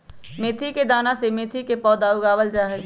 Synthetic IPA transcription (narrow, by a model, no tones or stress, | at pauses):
meːt̪ʰiked̪aːnasemeːt̪ʰikepɔːd̪aʊɡaːʋəld͡ʒaɦɛ